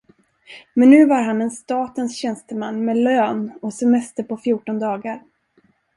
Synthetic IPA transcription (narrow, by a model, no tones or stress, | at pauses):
mɛnːʉ̟ːvaɾɦanɛnst̪ɑːt̪ənsɕɛnst̪əmanːmɛløːnɔsɛmɛst̪əɾpɔfjuːʈɔnd̪ɑːɡaɾ